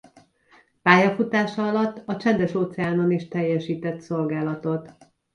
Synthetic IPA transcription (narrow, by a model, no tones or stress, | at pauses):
paːjɒfut̪aːʃɒɒlɒt̪ːɒt͡ʃɛnd̪ɛʃoːt̪sɛaːnoniʃt̪ɛjːɛʃiːt̪ɛt̪so̞lɡaːlɒt̪o̞t̪